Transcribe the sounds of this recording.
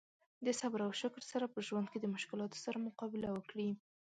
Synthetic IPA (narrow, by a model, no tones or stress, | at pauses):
d̪əsabɾawʃɪklsaɾapəʒwand̪̚ked̪əmʊʃkɪlɑt̪o̥saɾamʊqɑbɪlawəkɽi